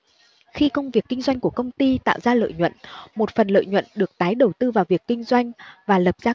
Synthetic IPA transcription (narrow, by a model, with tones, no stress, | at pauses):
xi˧kə˧wŋ͡mvi˨˩əkːï˧ŋ̟zwa˧jŋ̟ku˧˩əkə˧wŋ͡mt̪i˧t̪a̰ː˧˨wzaː˧lə̰ː˧˨jɲwə̰˧˨nmo˨˩t̚fə˨˩nlə̰ː˧˨jɲwə̰˧˨nɗɨ˨˩ək̚t̪aː˨˦jɗə˨˩wt̪ɨ˧vaː˨˩wvi˨˩əkːï˧ŋ̟zwa˧jŋ̟vaː˨˩lə˨˩p̚zaː˧